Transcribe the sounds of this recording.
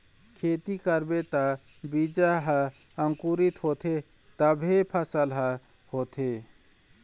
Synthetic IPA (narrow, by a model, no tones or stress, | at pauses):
kʰeːt̪ikəɾbet̪abid͡ʒaɦəəŋkuːɾit̪hoːt̪ʰe | t̪əbʱepʰəsəlɦə | hoːt̪ʰeː